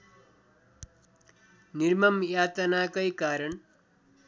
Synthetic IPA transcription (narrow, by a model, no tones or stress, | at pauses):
nirmʌmjat̪ʌnakʌjkaɾʌn